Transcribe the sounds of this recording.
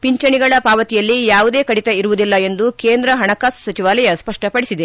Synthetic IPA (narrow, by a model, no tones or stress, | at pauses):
piɲt͡ʃɐɳiɡɐɭɐpaːʋɐt̪ijɐlːijaːʋud̪e̞ːkɐɽit̪ɐiɾuʋud̪ilːɐe̞nd̪ukeːnd̪ɾɐɦɐɳɐkaːssɐt͡ʃiʋaːlɐjɐspɐʂʈɐpɐɽisid̪e